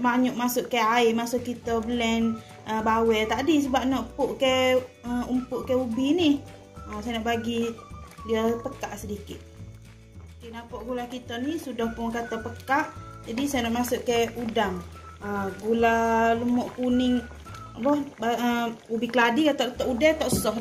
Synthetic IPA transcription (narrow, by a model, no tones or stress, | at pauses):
maɲɔʔmasʊʔkaaɪmasʊʔkːit̪əbəlɛn | əbawɛt̪adisəbap̚nɔʔpʊʔkɛəumpʊʔkɛubini | əsajnɔʔbaɡidiəpəkaʔsədikɪt̪̚ | okenapɔʔɡulakit̪ənisudɔhpʊŋkat̪apəkaʔd͡ʒadisajənɔʔmasʊʔkajudaŋ | əɡulaləmɔʔkunɪŋ | bɔbaəubikəladikat̪ɔʔt̪ɔʔudɛt̪ɔʔsəsɔh